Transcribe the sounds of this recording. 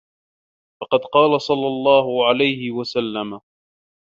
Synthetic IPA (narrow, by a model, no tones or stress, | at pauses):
fɑqɑd̪qɑːlasˤɑlːɑlˤːɑːɦʊʕalajhɪwasalːama